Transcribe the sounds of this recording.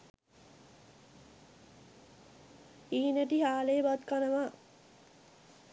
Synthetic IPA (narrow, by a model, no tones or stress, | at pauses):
iːnæʈiɦaːleːbat̪kanəʋa